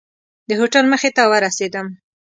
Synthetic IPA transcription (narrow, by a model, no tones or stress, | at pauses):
d̪əɦoʈalməxet̪awəɾased̪əm